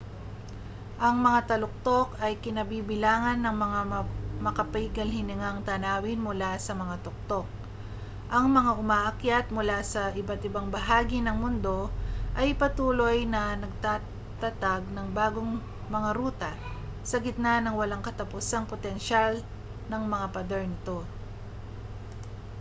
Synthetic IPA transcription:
ʔɐŋmɐŋat̪ɐlʊk̚t̪o̞kɐjkɪnɐbiːbɪlaːŋɐnːɐŋmɐŋamɐkɐpɐɪɡɐlhɪnɪŋaŋt̪anaːwɪnmʊlasɐmɐŋat̪ok̚t̪ok̚ | ʔɐŋmɐŋaʔʊmaːʔɐkjat̪̚mʊlasɐʔɪbat̪ɪbaŋbɐɦaːɡinɐŋmʊnd̪o̞ʔɐjpɐt̪uːlo̞jnɐnɐɡ̚t̪a | t̪ɐt̪aɡ̚nɐŋbaːɡoŋ | mɐŋaɾuːt̪ɐ | sɐɡɪt̪̚nanɐŋwɐlaŋkɐt̪ɐpʊsɐŋpot̪ɛnʃal | nɐŋmɐŋapɐd̪ɛɹnɪt̪o̞

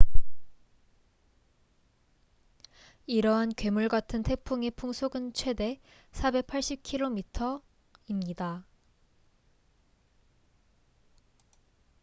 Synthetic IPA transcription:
iɾʌɦankɥe̞muɭɡatʰɯntʰe̞pʰuŋe̞pʰuŋsʰoɡɯnt͡ɕʰwe̞de̞ | sʰabe̞k̚pʰaɭɕ͈ip̚kʰiɾomitʰʌ | imɲida

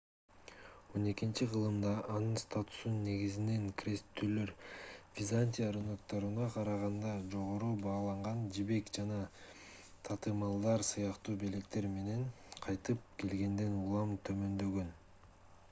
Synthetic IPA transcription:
o̞ne̞kint͡ʃiqʰɯlˠɯmd̪ɑʔːnɯnst̪at̪u̥sunːe̞ɡizine̞ŋkrʲest̪ːylø̞ɾvʲizanʲt̪ʲijaɾonokt̪ɑɾɯnɑqʰɑɾɑʁɑnd̪ɑd͡ʒo̞ʁo̞ɾuːbɑːlˠɑɴʁɑnd͡ʒibe̞kd͡ʒɑnɑ | t̪ʰɑt̪ɯmɑlˠd̪ɑɾsɯjɑqt̪uːbe̞lekt̪e̞ɾme̞ne̞n | qʰɑjt̪ɯp̚ke̞lɡe̞nd̪e̞nulˠɑmt̪ʰø̞mø̞nd̪ø̞ɡø̞n

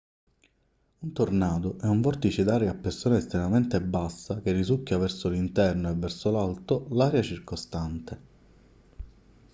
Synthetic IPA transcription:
unt̪ornaːd̪oʔɛuɱvɔrt̪it͡ʃid̪aːɾeapːersoːnaest̪ɾemament̪ebːasːakerːizukːavɛrsolint̪ɛrnoevːɛrsolalt̪olaːɾjat͡ʃirkost̪ant̪e

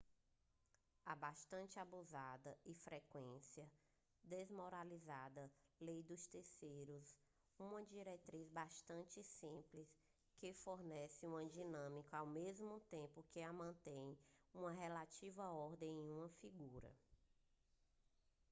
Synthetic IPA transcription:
abaʃt̪ɐ̃nt͡ʃɪabuzad̪ɐɪfɾekwẽsiɐ | d̪ezmɔɾalizad̪ɐlejd̪ʊst̪esejɾʊs | ũmɐd͡ʒiɾet̪ɾizbaʃt̪ɐ̃nt͡ʃɪsĩplis | kɪfoɾnɛsɪũɐ̃d͡ʒinɐ̃mikʊawmezmʊt̪ẽmpʊkɪamɐ̃nt̪ẽj̃ũmɐɦelat͡ʃivɐɔɾd̪ẽj̃ẽj̃ũmɐfiɡuɾɐ̰

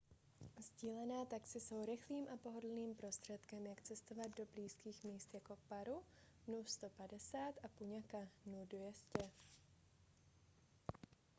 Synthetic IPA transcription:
zɟiːlɛnɛːt̪aksɪso̞wɾɪxliːmʔapo̞ɦo̞dl̩niːmpɾo̞st̪r̝̥ɛt̪kɛmjakt͡sɛst̪o̞vad̪̚do̞bliːskiːxmiːst̪jako̞paɾu | nust̪o̞padɛsaːt̪ʔapuɲakanudvjɛscɛ

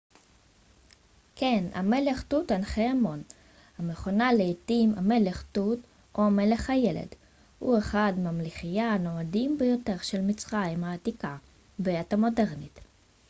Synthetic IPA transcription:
kena̰me̞leχtutanχeamo̞n | hameχonaleitimame̞leχtut | ʔoame̞le̞χhajelḛd | hueχadmamliχijano̞adimbejo̞te̞ʁʃelmit͡sʁaimhaːtika | beatamo̞de̞ʁnit

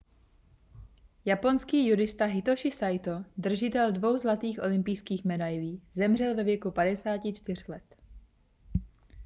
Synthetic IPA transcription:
japo̞nskiːjuɾɪst̪aɦɪt̪oʃɪsajt̪od̪r̩ʒɪt̪ɛldvo̞wzlat̪iːxʔo̞lɪmpijskiːxmɛdajliːzɛmr̝ɛlvɛvjɛkupadɛsaːcɪt͡ʃt̪ɪr̝̥lɛt̪

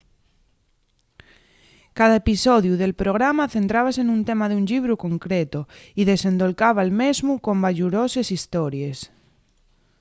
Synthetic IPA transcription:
kaðaepisoðjuðe̞lpɾoɣ̞ɾamaθe̞nt̪ɾaβ̞asenũnt̪emaðuɲʎiβɾukoŋkɾet̪oiðe̞sẽ̞nd̪olkaβalmezmuko̞mbaʎuɾosesist̪oɾjes

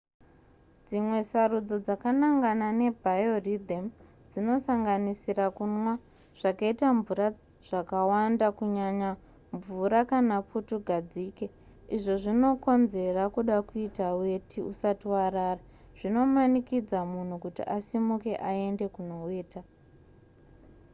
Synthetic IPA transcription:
d͡zimwe̞sarud͡zo̞d͡zakanaŋɡanane̞bʱajo̞rid̪ʱem | d͡zino̞saŋɡanisirakunwa | ʐ̥akaitaɱvuɾa | ʐ̥akawandakuɲaɲa | ɱvuɾakanaputuɡʱad͡ziːke | iʐo̞ʐino̞ko̞nze̞rakuɗakuitawe̞tʰiṵsatiwaɾaːra | ʐ̥ino̞manikid͡zamun̤ukutḭʔasimuke̞ʔae̞nde̞kuno̞weːta

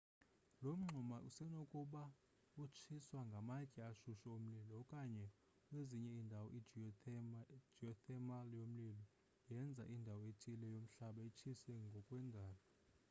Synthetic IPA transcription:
lom̩ŋ͡ǃʱumaʔusɛnokʼuɓa | ut͡ʃʰiswaŋɡʱamakʼɛaʃuʃaom̩lilɔkʼaɲɛ | kʼweziɲɛindʱawɔʔi | d͡ʒiɔtʰɛmaljom̩lilɔ | jɛnd͡zʱa̰ʔindʱawɔetʰʼilɛjom̩ɬaɓait͡ʃʰisɛŋɡʱɔkʼwɛndʱaːlɔ

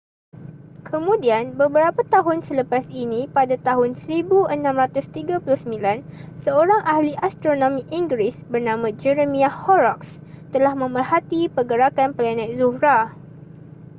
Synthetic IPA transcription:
kʰəmũdianbəbəɾapat̪aɦʊnsələpasinĩpadat̪aɦʊnsəɾibuənãmɾat̪ʊst̪iɡapulʊhsəmbilansəoɾaŋʔahliʔast̪ɾonõmiʔiŋɡɾisbərnãmãd͡ʒəɾəmĩahɔɾɔks | t̪əlahmə̃mərhat̪ipəɡəɾakanpəlanãjkzuhɾa

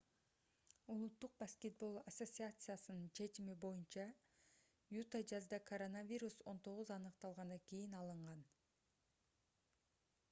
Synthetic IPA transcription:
ulˠut̪ːuq̚baskʲet̪̚bo̞lˠɐsot̪ʲsʲɨat̪sɨjasɯnɯnt͡ʃʰe̞t͡ʃimibo̞junt͡ʃɑ | jut̪ad͡ʒɑzd̪ɑkʰoɾo̞navʲiɾuso̞nt̪ʰo̞ʁuzɑnɯqt̪ɑlˠʁɑnɑkʲijinɑlˠɯɴʁɑn

